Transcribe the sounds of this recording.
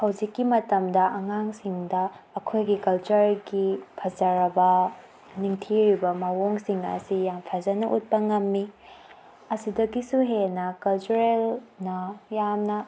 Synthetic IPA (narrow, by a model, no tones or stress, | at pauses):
hɐwd͡ʒikːimɐtɐmdɐʔɐŋaŋsiŋdɐːkʰojɡikɐlt͡ʃɐɾɡipʰɐzɐɾɐbɐ | niŋtʰiɾibɐmawoŋsiŋɐ̰sijampʰazɐnɐʔut̚pɐŋɐmːi | ɐsidɐɡisuɦenɐkɐlt͡ʃuɾelnɐjamnɐ